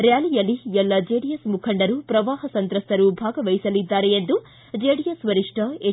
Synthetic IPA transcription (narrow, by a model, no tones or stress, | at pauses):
ɾjaːlijɐlːiɛlːɐd͡ʒeːɽijesmukʰɐɳɖɐɾupɾɐʋaːɦɐsɐnt̪ɾɐst̪ɐɾubʱaːɡɐʋɐjisɐlid̪ːaːɾeend̪u | d͡ʒeːɽijɐsʋɐɾiʂʈʰɐe